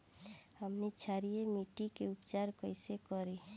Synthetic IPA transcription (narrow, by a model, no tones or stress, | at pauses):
həmnit͡ʃʰaɾijemiʈikeʊpt͡ʃaɾkəɪsekɔɾi